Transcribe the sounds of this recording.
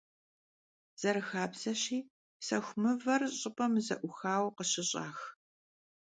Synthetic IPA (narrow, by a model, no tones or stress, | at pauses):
z̥ɐɾɨxaːbz̥ɐɕiː | sɐxʷmɨvɐrɕʼɪpʼɐmzɐ̰ʔʷʊxaːwqəɕɪɕʼa̰ːx